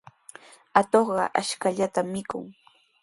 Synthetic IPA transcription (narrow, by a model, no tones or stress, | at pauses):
at̪oχɢɑ̰ʔaʃkaʎat̪amːɪkʊ̰ŋ